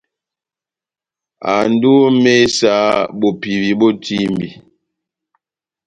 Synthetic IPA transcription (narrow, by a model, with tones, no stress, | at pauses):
a˨n˦du˦me˦sa˦bo˨pi˨bi˨bɔ˦tʰi˦mbi˨